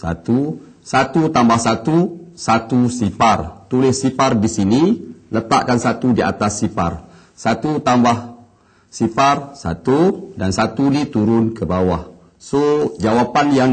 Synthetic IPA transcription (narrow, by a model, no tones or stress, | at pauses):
sa̰t̪u | sat̪ut̪ambahsat̪usat̪usipart̪ulɪsipardisinilət̪a̰ʔkansat̪udia̰t̪asːipar | sat̪ut̪ambah | siparsa̰t̪udansat̪unit̪uɾʊnkəbawah | sod͡ʒawapanjaŋ